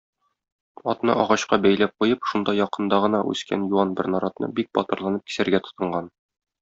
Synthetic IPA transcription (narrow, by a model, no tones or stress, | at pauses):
ɒt̪nɤ̰ʔɒʁɑɕqɑbæjlæp̚qujɤpʃund̪ɑjɒqɤ̆nd̪ɑʁɤ̆nɑʔʉ̰skæ̰njuɑnbɘɾnɒɾɑt̪nɤ̰bik̚bɒ̰t̪ɤ̆ɾlˠɑnɤp̚ki̥sæɾɡæt̪ŏ̥t̪ɤ̆ɴɢɑn